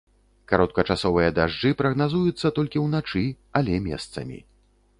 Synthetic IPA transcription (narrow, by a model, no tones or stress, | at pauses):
kaɾɔt̪̚kɐt͡ʂasɔvɨjɐd̪aʐd͡ʐɨpɾɐɣnazujut̪sːɐt̪ɔlʲkʲiwnat͡ʂɨ | ɐlʲɛmʲɛ̰st̪sɐ̰mʲḭ